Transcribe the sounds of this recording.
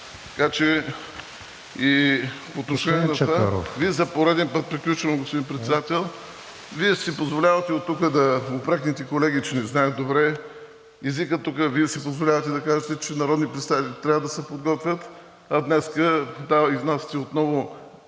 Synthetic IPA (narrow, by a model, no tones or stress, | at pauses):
t̪ɐ̥kat͡ʃɛ | ipoːt̪noʃɛnɛnɐt̪aɾo̰viɛzɐpoɾɛd̪ɛnpɤt̪̚pɾiklʲut͡ʃvɐmɡospod̪inpɾɛt̪sɛd̪at̪ɛlˠ | viɛsipozvolʲavət̪ɛot̪ːukəd̪ɐopɾɛknit̪ɛkolɛɡit͡ʃɛnɛznaəd̪obɾɛ | ɛzikət̪ːukəviɛsipozvolʲavət̪ɛd̪ɐkaʒɛt̪ɛt͡ʃɛnɐɾɔd̪nipɾɛt̪st̪ait̪ʲikit̪ɾavəd̪ɐsɛpod̪ɡɔt̪vʲət̪ | ɐd̪nɛskəd̪aiznast̪ɛot̪nɔvo